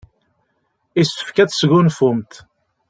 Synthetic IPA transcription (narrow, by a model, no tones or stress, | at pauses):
ist̪ə̥fkæt͡ssɣʊnfʊmt̪